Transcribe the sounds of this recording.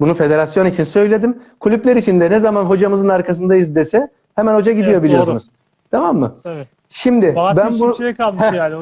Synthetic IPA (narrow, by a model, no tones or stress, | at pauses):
bunufe̞d̪e̞ɾasjo̞nit͡ʃʰinsø̞jlʲe̞d̪imkʰulʲyplʲeɾit͡ʃʰind̪ɛnɛzamanɦo̞d͡ʒamɯzɯnaɾkʰas̬ɯnd̪ajizd̪esɛ | hemænho̞d͡ʒaɟid̪ijo̞bilijosunuz̥ | t̪ʰamamːɯ | ʃimd̪ɪbænnbuneam